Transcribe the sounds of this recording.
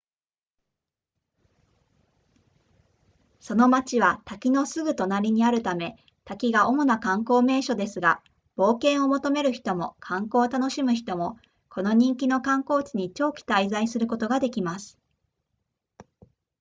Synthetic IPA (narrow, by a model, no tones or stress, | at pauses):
so̞no̞mat͡ɕiβat̪akʲino̞sɨɡɯ̟t̪o̞naɾʲiɲ̟iaɾɯ̟t̪ame̞ | t̪akʲiɡaʔo̞mo̞nakãŋko̞ːme̞ːɕo̞d̪e̞sɨɡa | b̥o̞ːkẽ̞ɰ̃o̞mo̞t̪o̞me̞ɾɯ̟çi̥t̪o̞mo̞kʰãŋko̞ːt̪ano̞ɕimɯ̟çi̥t̪o̞mo̞ | kʰo̞no̞ɲ̟ĩŋkʲino̞kãŋko̞ːt͡ɕiɲ̟it͡ɕo̞ːkʲi̥t̪aizaisɨɾɯ̟ko̞t̪o̞ɡad̪e̞kʲimasɨ̥